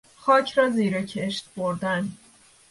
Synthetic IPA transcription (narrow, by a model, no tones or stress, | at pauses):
xɒːcʰɾɒːziːɾecʰeʃt̪̚b̥oɾd̪æn